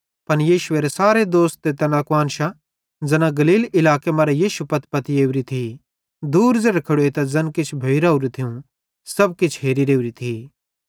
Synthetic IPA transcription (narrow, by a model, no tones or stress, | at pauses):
pɐnjiːʃʊeːɾesaːɾed̪oːst̪̚ːet̪ɐnɐkʋaːnʃa | d͡zɐnãɡɐliːlɪlaːkemɐɾajiːʃupɐt̪̚ʰpɐt̪ieːʊɾit̪ʰi | d̪uːɾzeɽkʰɐɽoet̪ɐzɐnkɪt͡ʃʰbʱɐiɾaːuɾit̪ʰiũ | sɐb̚kɪt͡ʃʰɦeːɾiɾeːuɾit̪ʰiː